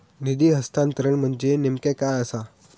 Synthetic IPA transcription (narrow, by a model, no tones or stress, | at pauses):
nid̪iːɦəst̪ãnt̪əɾəɳm̤əɳd͡ʑenimkẽkajəsa